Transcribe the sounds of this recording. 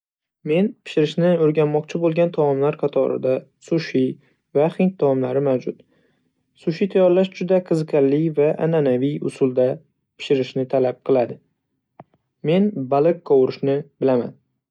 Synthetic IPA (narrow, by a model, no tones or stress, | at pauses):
me̞npʰɪ̥ʃɪɾɪʃnɪoɾɡʲanmːɒq̚t͡ʃʰɪbolˠɡʲant̪ʰaɒmlaɾqʰɑt̪ʰɒ̰ɾɪ̰d̪asʊʃi | vaχɪnt̪̚t̪ʰːɒɒmlaɾɪmawd͡ʒʊt̪ | sʊʃit̪ʰajɒɾlaʃd͡ʒʊd̪aqʰɨzɨqʰɑllːɪvaʔa̰nanavijʊ̰sʊlˠd̪a | pʰɪ̥ʃɪɾɪʃnɪt̪ʰalap̚qʰɨlˠad̪ɪ | me̞nbalɪkqɒwɾɪʃnɪbɪlama̰n